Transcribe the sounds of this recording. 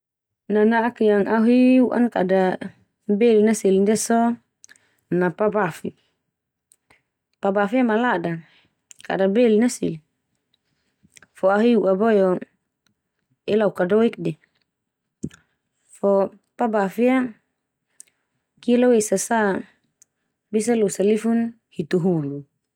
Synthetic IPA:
nanaːkjaŋʔaɦiuʔa̰nkada | bɛlinasilindɛsɔ | napabafi | pabafiamalada | ka̰dabɛlinasḭl | fɔaɦiuʔabɔjɔ | ɛlaukadɔik̚dɛ | fɔ | pabafia | kilɔwesasa | bis̬alusalifun | hit̪uɦulu

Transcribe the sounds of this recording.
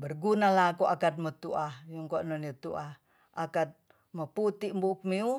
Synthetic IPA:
bərɡunalakuakat̪̚mət̪uahjuŋkonɔnut̪uʔah | akat̪̚ | məput̪imbuk̚miu

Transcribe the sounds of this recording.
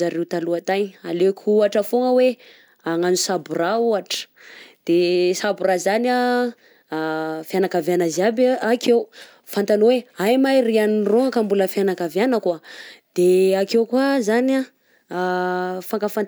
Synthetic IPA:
aɾewt̪aluat̪ajna̰lekʰʲuaʈ͡ʂəfoŋəwe | aŋanusaburauaʈ͡ʂə̥d̪̥esaburazana | fjanakavjanazabakew | fant̪anoweajmajrianiroŋakambuləfjanakavjanəkad̪̥eakewkwazana | faŋkafa

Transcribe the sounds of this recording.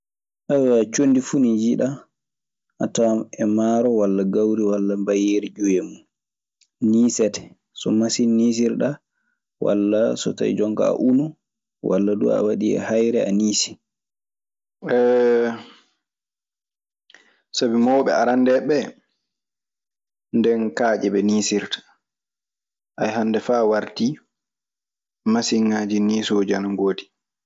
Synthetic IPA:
ʔawɛːt͡ʃondifunid͡ʒiɗa | atawɛmaɾɔwalːaɡawɾiwalːambajeɾid͡ʒujemu | niːsɛtɛ̥ | sɔmasinːis̬iɾɗa | wʔa̰lːasɔ̰ta̰jd͡ʒɔŋka̰a̰ʔunu | wa̰lːadṵa̰waɗiɛ̰hajɾɛaniːsi̥ | ɛ | sabimɔwɓɛ̰aɾandɛɓɛ | ndɛnkaːd͡ʒɛɓɛniːsiɾtḁ | ʔajhandɛfaːwaɾti | masiŋːaːd͡ʒiniːsod͡ʒanaŋɡoːdi

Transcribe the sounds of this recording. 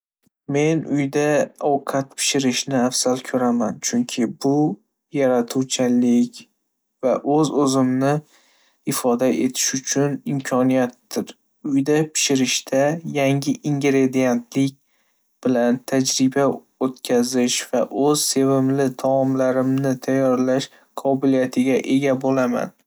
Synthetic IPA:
me̞nʊjd̪aɒwqʰat̪pʰɪ̥ʃɪɾɪʃnɪafsalkʲʰɵɾamant͡ʃʰʊŋkʲʰɪbʊ | jaɾat̪ʰuwt͡ʃʰalɪkʲ | vaʔɵzɵzɪmnɪ | ɪfɒd̪aʔe̞t̪ʰɪ̥ʃʊt͡ʃʰʊnɪmkʲʰɒnijat̪ːɪɾ | ʊjd̪apʰɪ̥ʃɪɾɪʃt̪ʰajaŋʲɪʔiŋɡʲɾe̞d̪ijent̪ʰlɪk̚ʲ | b̥ɪlant̪ʰad͡ʒɾɪba | ot̪kʲʰazɪʃv̥aʔɵz̥se̞vɪmlɪt̪ʰaɒmlaɾɪmnɪt̪ʰajːɒɾlaʃ | qʰɒbɪlijat̪ʰɪɡʲaʔe̞ɡʲabolama̰n

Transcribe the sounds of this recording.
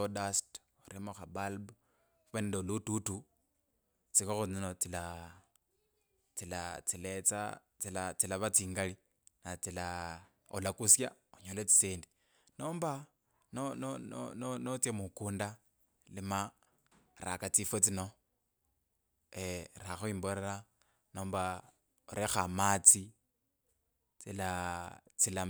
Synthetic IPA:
odast | oɾimoxabalb | kwendeolututu | t͡sikoxuninot͡sila | t͡silat͡silet͡sa̰ | t͡silat͡silaβat͡siːŋɡali | nat͡sila | olakusja | oɲolet͡si̥seːndi | noːmba | nononononot͡sjemukuːnda | lima | ɾa̰kat͡sifet͡sino̞ | eɾaxuimboɾeɾa | no̞ːmba | oɾʔexamat͡si | t͡silat͡sila

